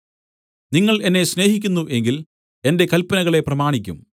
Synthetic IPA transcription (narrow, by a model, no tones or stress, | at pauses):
niŋːɐɭe̞nːe̞ɕne̞ːɦikʲːunːuʔe̞ŋɡil | e̞nde̞kɐlpɐnɐɣɐɭe̞prɐmaːɳikʲːṵm